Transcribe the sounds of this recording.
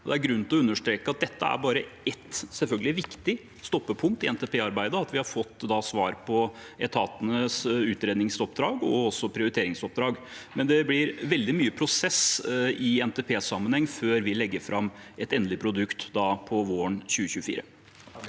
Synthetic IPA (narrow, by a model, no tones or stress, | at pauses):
ɔd̪ɛæɾɡɾʉn̩t̪lɔʉnːəʂʈ̪ɾeːkəɑt̪̚d̪ɛt̪ːəæ̰ɾbɑːɾəɛt̪sɛlfœlɡəlɪʋɪkt̪ɪ | st̪ɔpːəpʰʊŋk̚t̪ɪɛnt̪ɛːpʰeːɑɾbæɪd̪əɑt̪ʋɪhɑɾfɔt̪ːd̪ɑsʋɑ̰ːɾpʰɔ | ɛt̪ʰɑːt̪ənəsʉːt̪ɾeːd̪nɪŋsɔp̚d̪ɾɑːɡɔɔsɔpʰɾɪʊɾɪt̪ʰeːɾɪŋsɔp̚d̪ɾɑːɡmɛnd̪ɛblɪɾʋɛld̪ɪmyːəpʰɾʊsɛsɪɛnt̪epʰeːsɑmːənhɛŋːføːɾʋɪlɛɡːəɾfɾɑmɛt̪ɛnlɪpʰɾʊd̪ʉkt̪d̪ɑːpʰɔʋoːəɳɕʉːəçʉːəfḭːɾə